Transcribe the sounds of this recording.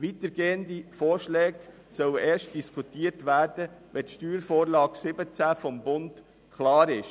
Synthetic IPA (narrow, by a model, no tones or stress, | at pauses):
ʋit̪əɾɡeːəndifoːɾʃlɛːɡ | sœwəʔɛːɾʃt̚d̥iskʰutiːrtʋæːrd̥əʋɛtʃtyːɾfoːɾlɑːɡ̥sɪbət͡sæfɔmbʊnt | kʰlɑːɾɪʃ